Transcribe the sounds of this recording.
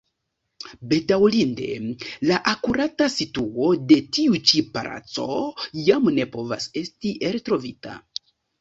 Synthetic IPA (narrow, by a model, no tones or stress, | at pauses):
be̞tawlinde̞laʔakuɾatasituo̞de̞tiut͡ʃipaɾʔa̰t͡so̞̰jamne̞po̞va̰se̞stiʔeɾtɾo̞vita̰